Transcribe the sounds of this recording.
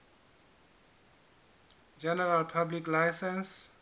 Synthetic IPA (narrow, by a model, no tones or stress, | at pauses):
d͡ʒɛnɛɾalpʰabliklajsɛns